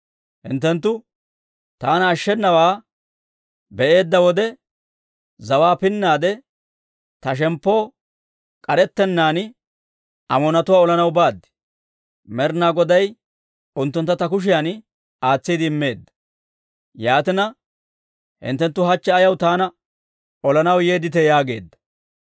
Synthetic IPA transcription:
hɪ̰nt̪ːɛnt̪ːʊ | t̪aːnɐːʃːɛnːɐwaː | bɛʔe̞ːd̪ːɐwɔd̪ɛ | zɐwaːpɪnːaːd̪ɛ | t̪ɐʃ̬ɛmpːo̞ː | kʼɐɾɛt̪ːɛnːaːn | ɐmɔnɐt̪ʊwaːɔlɐnɐwbaːd̪ːɪ̥ | mɛɾnaːɡɔd̪ɐj | ʊnt̪ːʊnt̪ːɐt̪ɐk̬ʊʃ̬ɪjan | aːt͡sːiːd̪ɪɪmːe̞ːd̪ːɐ̥ | jaːt̪ɪnɐ | hɪ̰nt̪ːɛnt̪ːʊɦɐt͡ʃːɛɐjɐwt̪aːnɐ | ɔlɐnɐwjeːd̪ɪt̪ɛjaːɡe̞ːd̪ːɐ̥

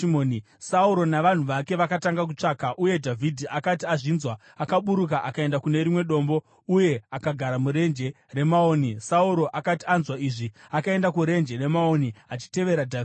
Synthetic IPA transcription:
moːni | sauɾo̞naʋan̤uʋake̞ʋakataŋɡak̬ut͡ʂakaʔuje̞dʱavʱidʱiakatiaʐinzwa | akaɓuɾuk̬aʔakae̞ndakune̞ɾimwe̞ɗo̞ːmbo̞ | uje̞akaɡʱaɾamuɾe̞nd͡ʒe̞ | re̞maonisauɾo̞ʔakatianzwaiʐi | akae̞ndakuɾe̞nd͡ʒe̞re̞mao̞niat͡ʃi̥te̞ʋe̞ɾadʱa

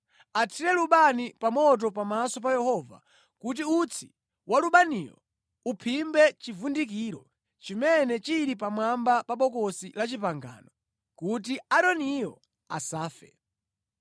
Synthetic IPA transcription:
atʰiɾɛluɓanipamɔt̬ɔpamasɔp̬ajɛhɔva̰ | kut̬iut͡sʰi̥ | wʔaluɓanḭːjɔ̰ | upʰimbɛt͡ʃivundikiːɾɔ | t͡ʃimɛnɛt͡ʃiɾip̬amwambapaɓɔkɔsilat͡ʃipaŋɡa̰ːnɔ | kut̬iaɗɔnijɔ̰ | a̰saːfɛ̰

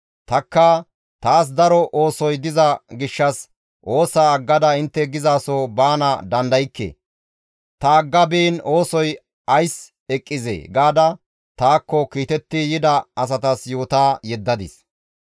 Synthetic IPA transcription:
t̪ɐkːɐ | t̪aːs̬d̪ɐɾɔʔoːsɔjd̪ɪzɐɡɪʃːɐs | ʔo̞ːsaːɐɡːɐd̪ɐɪnt̪ːɛɡɪzaːsoːbaːnɐd̪ɐnd̪ɐjɪkːḛː | t̪ɐːɡːɐbiːno̞ːsɔj | ɐjs | ɛkʼːɪzḛːɡaːd̪ɐ | t̪aːkːɔkiːt̪ɛt̪ːɪjɪd̪ɐɐs̬ɐt̪ɐsjoːt̪aːjɛd̪ːɐd̪ɪ̰s

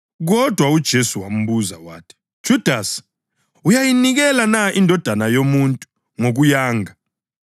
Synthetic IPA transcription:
ɣ̬ɔd̥ʱwaud̥ʒ̥ʱesuwam̩ɓuza̰wa̰ːtʰi̥ | d̥ʒ̥ʱud̥ʱas | ujajiniɣ̬ɛlanaʔindʱɔd̥ʱanajomuntʼu | ŋok̬ujaːŋa

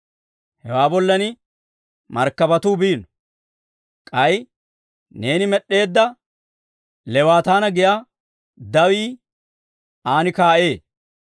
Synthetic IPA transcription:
hɛwaːbɔlːɐnɪ | mɐɾkːɐbɐt̪uːbiːn | kʼɐj | ne̞ːnɪmɛɗːe̞ːd̪ːɐ | lɛwaːt̪aːnɐɡɪjaː | d̪ɐwiː | aːnɪkaːʔe̞ː

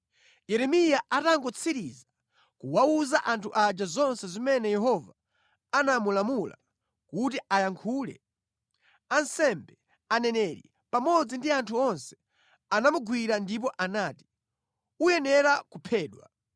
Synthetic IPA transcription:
jɛɾɛmijaʔataŋɡɔt͡sʰiɾiza | kuwauzaʔantʰuʔad͡ʒazɔnsɛzimɛnɛjɛɦɔva | anamulamula̰ | kut̬iʔajaŋkʰuːlɛ̰ | ansɛmbɛ | anɛnɛɾḭ | pamɔd͡zindiantʰuɔnsɛ̥ | anamuɡwiɾandip̬ɔʔanaːti̥ | ujɛnɛɾakupʰɛːɗwa̰

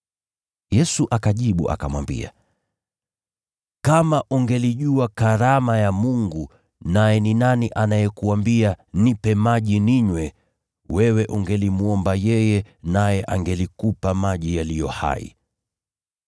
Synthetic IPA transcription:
jɛsuʔakaʄiɓuʔa̰kamwa̰mbḭa̰ | kamaʔuŋɡɛliʄuakaɾamajamuŋɡu | najɛninaniʔanajɛkuambianipɛmaʄiniɲwɛ | wɛwɛʔuŋɡɛlimuɔmbajɛjɛnajɛʔaŋɡɛlikupamaʄijalijɔha̰ḭ

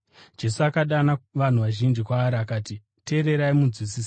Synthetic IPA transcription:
d͡ʒe̞suakaɗanaʋan̤uʋaʒind͡ʒikwaːɾiakaːti | te̞ːɾe̞ɾaimud͡zwisiːs

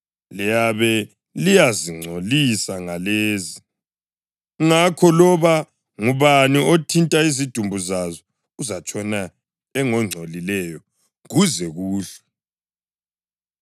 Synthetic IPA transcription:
lɛjaβɛ | lijaziŋ͡ǀʱolisaŋaleːzi | ŋakʰɔlɔβa | ŋuβaniotʰintʼaizid̥ʱumbʱuzazɔ | uzat͡ʃʼɔna | ɛŋɔŋ͡ǀʱolilɛjɔ | ɣuzɛɣuːɬɛ̥

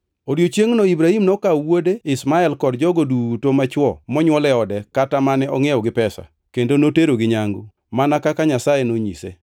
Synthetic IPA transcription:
odjot͡ʃjeŋnɔibɾahimnɔkawodeɪsmaɛlkɔdd͡ʒɔɡodutomat͡ʃwɔmɔɲwɔlɛɔdɛkatamanɛɔŋɛɔɡɪpɛsa̰ | kendonoteɾoɡɪɲaŋɡo̰ | manakakaɲasajenoɲḭsḛ

